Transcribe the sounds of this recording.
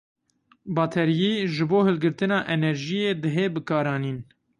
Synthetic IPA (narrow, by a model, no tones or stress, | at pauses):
bɑːt̪ʰɛɾjiːʒɨboːhɨlɡɨɾt̪ɨnɑːʔɛnɛɾʒijeːd̪ɨɦeːbɨkɑːɾɑːniːn